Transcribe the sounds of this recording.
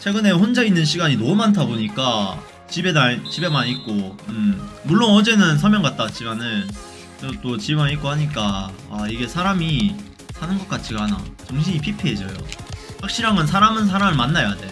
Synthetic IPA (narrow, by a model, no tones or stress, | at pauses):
t͡ɕʰe̞ɡɯne̞ɸond͡ʑainːɯnɕʰiɡaɲinomantʰaboɲik͈a | t͡ɕibenaɭt͡ɕibe̞manik̚k͈oɯmmuɭːonʌd͡ʑe̞nɯns̬ʰʌɭmjʌŋɡat̚t͈at͡ɕiɡanɯn | eot͈ot͡ɕibemanik͈̚ohaɲik͈aaiɡe̞sʰaɾami | sʰanɯnɡʌk͈̚at͡ɕʰiɡaɦana̰t͡ɕʌŋɕʰiɲipʰipʰeːd͡ʑʌjo̰ɸak̚ɕ͈iɾɦaŋɯnsʰaɾamɯns̬ʰaɾamɯɭmanːajoade